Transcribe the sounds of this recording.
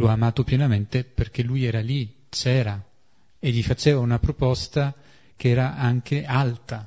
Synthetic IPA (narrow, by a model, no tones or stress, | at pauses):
laːmaːt̪opjɛnament̪eperk̟elujɛːɾali | t͡ʃɛːɾa | eʎːifat͡ʃɛːvaunapɾopɔst̪a | k̟eɛːɾaʔaŋk̟ealt̪a